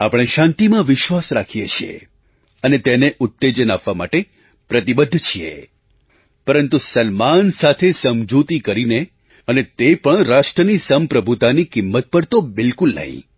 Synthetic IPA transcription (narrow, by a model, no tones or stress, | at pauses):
apɽ̃eʃãnt̪imãʋɪʃʋasɾakʰijet͡ʃʰiḛ | ənet̪eneʔʊt̪ːed͡ʒənapʋama̰ʈe | pɾət̪ibəd̪ʱːt͡ʃʰiḛ | pəɾənt̪usəlmansat̪ʰesəmd͡ʒut̪ikəɾine | ənet̪epəɳɾaʃʈɾənisəmpɾəbʱut̪anikɪmːət̪̚pəɽt̪obɪlkulnə̰ɦḭ̃